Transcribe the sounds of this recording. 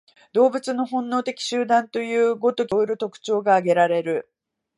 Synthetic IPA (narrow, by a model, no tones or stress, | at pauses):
d̪o̞ːbɯ̟t͡sɨno̞ɦõ̞nːo̞ːt̪e̞kʲi̥ɕɨːd̪ãnt̪o̞jɯ̟ːɡo̞t̪o̞kʲiɾot̪o̞kɯ̟̥t͡ɕo̞ːɡaːɡe̞ɾaɾe̞ɾɯ̟